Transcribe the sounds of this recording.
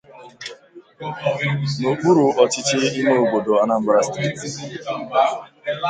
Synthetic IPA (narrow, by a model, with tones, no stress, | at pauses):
no˨k͡pu˦ɾu˨ɔ˨t͡ʃɪ˦t͡ʃɪ˦i˦me˦o˨ɡ͡bo˨do˨a˦na˦m̩˦bɾa˦st